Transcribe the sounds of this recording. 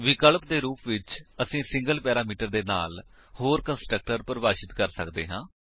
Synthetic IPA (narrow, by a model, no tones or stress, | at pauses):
ʋɪkəlp̚d̪eːɾuːpʋɪt͡ʃəsĩːsɪ̃ŋɡəlpɛːɾaːmiːʈəɾd̪eːna̰ːl | hoːɾkənsʈɾək̚ʈəɾpəɾəʋaːʃɪt̪kəɾsəkd̪ḛːɦãː